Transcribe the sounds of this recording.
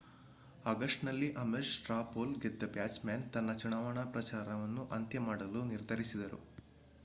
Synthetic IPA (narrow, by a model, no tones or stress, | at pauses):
ɐɡɐʂʈnɐlːiʔɐmeʂʈɾaːpoːlɡed̪ːɐbjaːt͡ʃmjaːnt̪ɐnːɐt͡ʃuɳaːʋɐɳapɾɐt͡ʃaːɾɐʋɐnːuʔɐnt̪jɐmaːɽɐluniɾd̪ʱɐɾisid̪ɐɾṵ